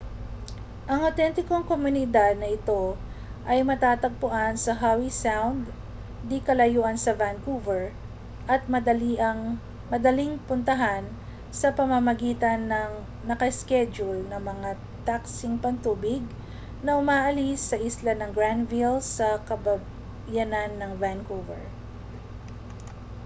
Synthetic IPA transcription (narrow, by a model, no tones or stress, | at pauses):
ʔɐŋɐwt̪ɛnt̪ɪkoŋkomʊnɪd̪ad̪̚nɐʔɪt̪o̞ | ʔɐjmɐt̪aːt̪ɐɡ̚pʊʔansɐɦawisawnd̪ː | ɪkɐlɐjuːʔɐnsɐvankuvɛɹ | ʔɐt̪̚mɐd̪ɐliʔɐŋ | mɐd̪ɐliŋpʊnt̪ɐɦan | sɐpɐmamɐɡiːt̪ɐnːɐŋ | nɐkɐskɛd͡ʒʊlnɐmɐŋa | t̪aksɪŋpɐnt̪uːbɪɡ̚ | nɐʔʊmaːʔɐlisːɐʔislanɐŋɡɹand̪vilsɐkɐbɐ | jɐnanːɐŋvankuvɛ̰ɹ